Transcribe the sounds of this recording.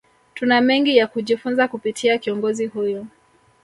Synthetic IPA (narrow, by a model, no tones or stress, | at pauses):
tunamɛŋɡijakuʄifunzakupitʰiakiɔŋɡɔzihujɔ